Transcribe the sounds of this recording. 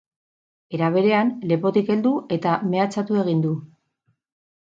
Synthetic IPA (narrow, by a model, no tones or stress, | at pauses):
e̞ɾaβ̞e̞ɾe̞anle̞po̞t̪ike̞ld̪uʔe̞t̪ame̞at͡sat̪ue̞ɣ̞ind̪u